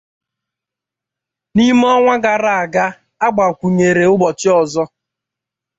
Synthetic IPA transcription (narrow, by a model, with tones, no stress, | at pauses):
ni˦m˦ɔ˦ŋʷa˦ɡa˨ɾa˦˨a˨ɡa˦ | a˦ɡ͡ba˨kʷu˨ɲe˨ɾe˨ʊ˦ɡ͡bɔ˨t͡ʃɪ˦ɔ˨zɔ˦